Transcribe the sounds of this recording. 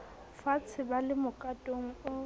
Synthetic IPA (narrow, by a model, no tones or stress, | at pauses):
fat͡sʰɪbalɪmʊkʼatʼoŋ̩ʊ